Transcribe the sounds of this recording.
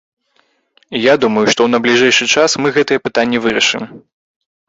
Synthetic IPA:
ijad̪umɐjuʂt̪ɔwnɐblʲiʐɛjʂɨt͡ʂasmɨɣɛt̪ɨjɐpɨt̪anʲːɛvɨɾɐʂɨm

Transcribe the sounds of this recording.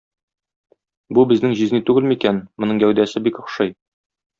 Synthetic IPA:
bubɘ̆znɘŋʑiznit̪ʉɡɘlmikænmŏnɤŋɡæwd̪æsɘbikŏχʃɤj

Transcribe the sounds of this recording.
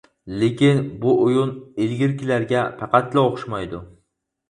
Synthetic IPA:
lekʲɪnbʊʔʊjʊnelɡʲɪɾkʲɪlaɾɡʲapʰɑqɑt̪laoqʃmajd̪ʊ

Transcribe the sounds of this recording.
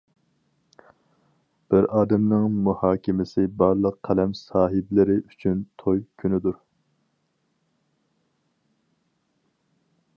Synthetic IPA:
b̥ɪɾɑːd̪ɛmnɪŋmuhɑːkʲʰɪmɪsɪbɑɾlˠəqʰːɛlɛmsɑːɦɪblɪɾɪyt͡ʃʰynt̪ʰojkʲʰynɪd̪uɾ

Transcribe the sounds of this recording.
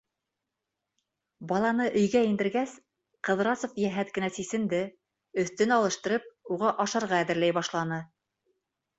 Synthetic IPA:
bɑlˠɑnɤʔɵ̆jɡæind̪ɘ̆ɾɡæs | qɤ̆ðɾɑsofjæɦæt̪̚kɘ̆næsisɘ̆nd̪ɘ | ɵ̆θt̪ɘnɑlˠɤ̆ʃt̪ɤ̆ɾɤp̚uʁɑʔɑʃɑɾʁɑːðɘ̆ɾlæjbɑʃlˠɑnɤ

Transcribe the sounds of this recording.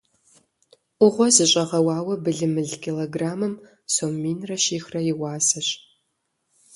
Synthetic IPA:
ʔʷʊʁʷɔzɨɕʼɐʁɐwɑːwɐbɨɮɨmɨɮkʲʰiloːɡraːmɨm | soːmiːnrɐʃiːxrɐjɪwɑːsɐɕ

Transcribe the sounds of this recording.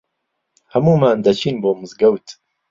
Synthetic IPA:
hɐmuːmaːnd̪ɐt͡ʃʰiːnboːmɨzɡɐwt̪ʰ

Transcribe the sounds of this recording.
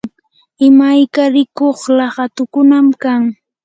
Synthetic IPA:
ɪmajkaɾɪkoχlɑɢɑt̪ʊkʊnamkaŋ

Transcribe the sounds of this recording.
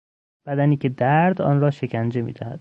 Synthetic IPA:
b̥æd̪æniːcʰe̞d̪æɾd̪ɒ̰ːnrɒːʃe̞cʰænd͡ʒe̞mḭːd̪æhæd̪̥

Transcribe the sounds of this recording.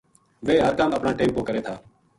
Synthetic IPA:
ʋeːɦəɾkaːməpɳaːʈeːmpoːkəɾeːt̪ʰaː

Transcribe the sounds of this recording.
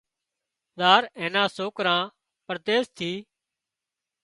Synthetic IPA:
zaːɾẽːnãːsoːkɾãː | pəɾt̪eːst̪ʰiː

